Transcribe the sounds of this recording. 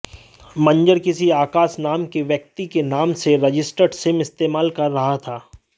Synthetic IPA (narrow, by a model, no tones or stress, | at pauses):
mɐ̃ɲd͡ʒəɾkɪsiaːkaːsnaːmkeʋjək̚t̪ikenaːmseɾɐd͡ʒɪsʈəɖsɪmɪst̪eːmaːlkɐɾːɐɦat̪ʰaː